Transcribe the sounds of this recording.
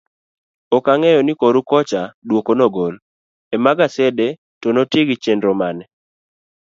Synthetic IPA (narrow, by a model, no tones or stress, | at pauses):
ɔkaŋɛjɔnikoɾukɔt͡ʃadwokonoɡol | emaɡasɛde | tonotɪɡɪt͡ʃendɾɔmanɛ